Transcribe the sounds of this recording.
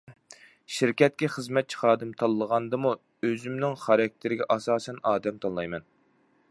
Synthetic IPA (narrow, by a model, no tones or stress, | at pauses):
ʃiɾkʲɛt̪̚kʲɛχəzmɛt̪̚t͡ʃʰi̥χɑːd̪ɨmt̪ʰɑlˠːəʁɑnd̪ɨmu | øzymnɪŋχɑɾɑk̚ʲt̪ʰɪɾɪɡʲɛʔɑsɑːsɛnɑːd̪ɛmt̪ʰɑlˠɑjmɛn